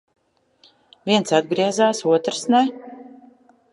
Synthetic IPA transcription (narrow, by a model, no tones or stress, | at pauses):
vʲiɛnsad̪̚ɡɾiɛzaːsuɔt̪ɾsnɛ